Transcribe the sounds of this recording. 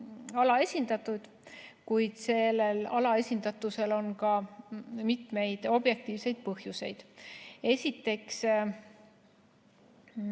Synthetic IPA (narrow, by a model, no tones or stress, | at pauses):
ɑlɑe̞sʲind̪ɑt̪ːˑud̪̥ | kujd̪̥se̞lːe̞lɑlɑe̞sʲind̪̥ɑt̪ːˑuse̞lo̞nkɑ | mit̪me̞jd̪̥o̞b̥je̞k̚t̪iːvse̞jd̪̥̚pɤhjuse̞jd̪̥e̞sʲit̪ːˑe̞ks